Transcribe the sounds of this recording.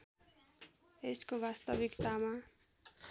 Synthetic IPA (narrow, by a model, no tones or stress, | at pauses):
eskobast̪ʌbikt̪ama